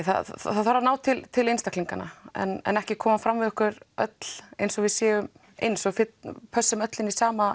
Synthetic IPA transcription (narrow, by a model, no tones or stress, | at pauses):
θa̰θaðθaɾaɾnaːwt̪ʰɪlt̪ʰɪlejnst̪akʰliŋkana̰ɛ̰nɛ̰nɛhcɪkʰɔːmafɾamvɪðʏhkʏɾœt̪l̥ejnsɔɣvɪðsjɛːvʏm | ḛjnsɔɣfɪt̪pʰœsːʏmœt̪lɪnisaːma